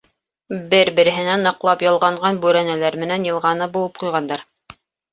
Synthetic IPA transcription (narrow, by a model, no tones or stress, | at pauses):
bɘɾbɘ̆ɾɘ̆ɦɘ̆nænːɤ̆qlˠɑpjɤ̆lˠʁɑɴɢɑnbʉɾænælæɾmɘ̆nænjɤ̆lˠʁɑnɤbulˠɤp̚qujʁɑnd̪ɑɾ